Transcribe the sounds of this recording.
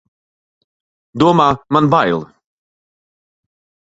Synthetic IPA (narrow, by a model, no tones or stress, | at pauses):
d̪uɔmaːmanbajlˠ